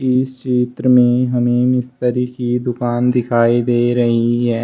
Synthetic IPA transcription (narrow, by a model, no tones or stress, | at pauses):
ɪst͡ʃeːt̪ɾəmẽɦəmeːmɪst̪əɾiːkid̪ʊkaːnd̪ɪkʰaːid̪eːɾɐɦiɦɛː